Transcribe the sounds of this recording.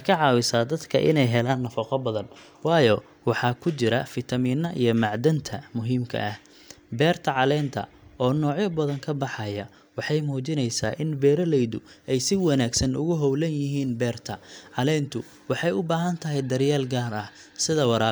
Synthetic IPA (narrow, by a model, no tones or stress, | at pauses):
kʰɐʕɑːwɪsaːd̪ɐd̪kʰɐ̰ʔɪ̰nɛjɦɛlaːnːɐfɐqɔbɐðɐn | wɑːjɔ | wɑħɑːkʰʊt͡ʃɪɾɐfɪt̪ʰɐmiːnːɐʔijɞmɑʕd̪ɐnt̪ʰɐmʊɦiːmkʰɐ̰ʔɐh | bɛːrt̪ʰɐʕɑlɛːnt̪ʰɐ̰ | ɔːnɔːʕjɐbɐðɐŋkʰɐbɑħɑjɐ | wɑħɑjmuːt͡ʃɪnɛjsa̰ːʔɪnbɛːɾɐlɛjðʊɛjsɪwɑnaːɡsɐnʊ̰ɣʊɦɔwlɐnjɪɦiːnbɛːrt̪ʰɐʕɑlɛːnt̪ʰʊ | wɑħɑjʊbaːɦɐnt̪ʰɐɦɛjd̪ɐɾjaːlɡaːrɐh | sɪðɐwɑɾaː